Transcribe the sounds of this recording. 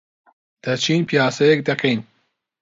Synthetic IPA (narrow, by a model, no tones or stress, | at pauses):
d̪̥ɐt͡ʃʰiːnpijaːsɐjek̚d̪ɐkʰɐjn